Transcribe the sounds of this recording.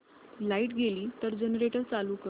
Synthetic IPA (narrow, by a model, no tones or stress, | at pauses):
laiʈɡʱeliːt̪əɾd͡ʑənəɾeʈəɾt͡salukə